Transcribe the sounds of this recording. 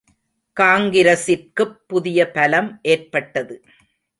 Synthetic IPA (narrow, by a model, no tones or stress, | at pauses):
kaːŋɡɪɾɐsɪrkɯpːʊðɪjɐpɐlɐmʔeːrpɐʈːɐðɯ